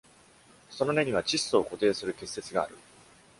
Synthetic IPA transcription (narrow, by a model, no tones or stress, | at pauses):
so̞no̞ne̞ɲ̟iβat͡ɕisːo̞ːko̞t̪e̞ːsɨɾɯ̟ke̞sːe̞t͡sɨɡa̰ːɾɯ̟